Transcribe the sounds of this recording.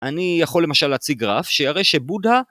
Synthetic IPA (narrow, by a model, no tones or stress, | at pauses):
ʔanijaχo̞lːe̞maʃalːaːt͡siɡʁafʃeaʁe̞jʃebudha